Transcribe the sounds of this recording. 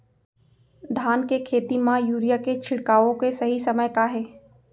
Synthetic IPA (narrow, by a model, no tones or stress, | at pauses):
d̪ʱaːnkekʰeːt̪imãjuːɾijaket͡ʃʰɪɽkaːʋõkesɐɦisɐməjkaɦɛː